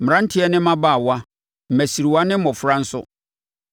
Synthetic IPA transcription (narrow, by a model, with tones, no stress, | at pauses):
m˨ɾã˦n̩˦tʰɪ˦ɛ˦nɪ̃˦mã˦baː˦˨wa˦ | m̩˨mæ˨si˨ɾi˨wa˦nɪ̃˦m̩˦ɔ̃˨fʊ˦ɾa˦n̩˦sʊ̰˦